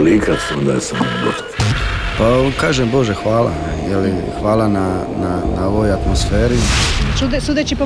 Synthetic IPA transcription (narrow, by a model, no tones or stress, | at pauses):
likasond̪a̰jesamobat̪pakaːʒembo̞ʒexʋaːlˠa̰nɛ̰jelixʋaːlana | nanao̞ʋojat̪mosfeːɾisud̪sud̪et͡ʃip